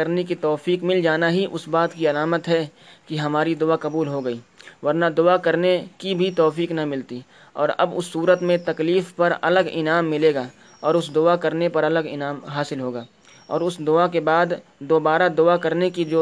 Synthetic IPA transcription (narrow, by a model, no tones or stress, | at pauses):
əɾnekit̪ɔːfiːkmɪld͡ʒaːnaɦiʔʊsbaːt̪kiɐlaːmət̪ɦɛkiɦɐmaːɾid̪ʊakɐbuːlɦoɡɐiːʋɐɾnad̪ʊakɐɾnekibʱit̪ɔːfiːknɐmɪlt̪i | ɔ̰ːɾɐ̰bʊsːuːɾət̪mẽt̪ɐkliːfpɐɾɐ̰ləɡɪ̰naːmːɪleːɡaː | ɔːɾʊsd̪ʊakɐɾnepɐɾɐləɡɪ̰naːmɦaːsɪlɦoːɡaː | ɔ̰ːɾʊsd̪ʊakebaːd̪d̪oːbaːɾad̪ʊakɐɾnekid͡ʒoː